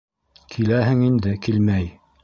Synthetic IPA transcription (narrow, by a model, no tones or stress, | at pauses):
kʰilæɦɘŋind̪ɘkilmæj